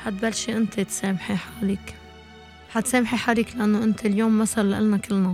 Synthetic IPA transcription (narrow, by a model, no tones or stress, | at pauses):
ħat̪̚balːʃiʔɪnt̪ʰet̪seːmħiħaliːk | ħat̪seːmħiħaːliːklaʔanːoʔɪnt̪ʰeljoːmːasalːaʔɪ̰lnakɪlːna